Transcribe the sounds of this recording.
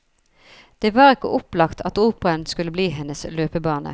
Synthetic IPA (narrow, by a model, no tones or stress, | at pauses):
d̪̥eːʋɑːʁɪkə̰ʔʊplɑkt̪ʰɑt̪uːpəʁənskʉləbliːɦɛnəsløːpəbɑːnə̰